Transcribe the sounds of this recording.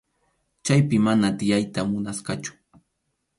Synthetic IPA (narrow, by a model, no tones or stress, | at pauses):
t͡ʃajpɪmanat̪ɪjajt̪amʊnasqɑt͡ʃʊ̥